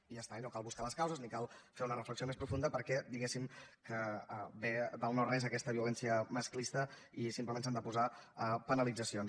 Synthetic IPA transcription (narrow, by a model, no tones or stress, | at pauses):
iəst̪ainokalˠβuskaləskawzəznikalˠfeunərəfləksiomespɾufund̪əpəɾkɛd̪iɣesimkəbed̪əlˠnoɾezəkɛst̪əβiulɛnsiəməsklist̪ə | isimpləmẽns̬and̪əpuzaəpənəlid͡zəsions